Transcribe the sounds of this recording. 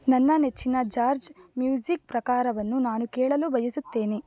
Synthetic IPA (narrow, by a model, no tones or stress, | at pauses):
nɐnːɐnet͡ʃːinɐd͡ʒaːɾd͡ʒmjuːd͡ʒik̚pɾɐkaːɾɐʋɐnːunaːnukɛːɭɐlubʱɐjisut̪ːe̞ːni